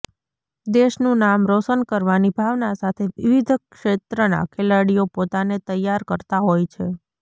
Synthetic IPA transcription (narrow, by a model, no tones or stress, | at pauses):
d̪eʃnũnamɾosənkəɾʋanibʱaʋnasat̪ʰeʋiʋid̪ʱkʃet̪ɾəna̰kʰelaɽijopot̪anet̪əjːaɾkəɾt̪aɦojt͡ʃʰe